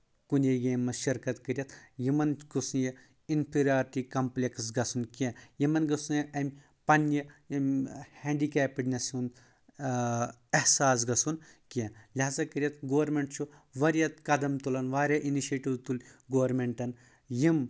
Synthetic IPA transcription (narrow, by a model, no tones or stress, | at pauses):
kuneɡẽːmːɐʃɐɾkɐt̪kɐɾjɐt̪jimɐnɡusuje | inpʰiɾʲaːɾʈikɐmplʲeksɡɐsunkiãjimɐnɡɐsũjɐʔɐmʲ | pɐnjɐmhɛ̃ːɳɖikɛːpiɖnʲɐsun | ɐhsaːs̬ɡɐsunkiãlʲaːzɐkɨɾjɐt̪ɡoːɾmeɳʈt͡ʃʰu | ʋɐɾjɐt̪kɐd̪ɐmt̪ulɐnʋaːɾʲjaʔiniʃeːʈiʋt̪ulʲɡoːɾmeɳʈɐn | jim